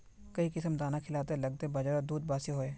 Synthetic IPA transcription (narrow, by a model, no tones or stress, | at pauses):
kəiːkɪsəmd̪aːnãːkʰɪlaːt̪eləɡ̚t̪ebəd͡ʒəɾd̪uːd̪̚baːsiɦoːeː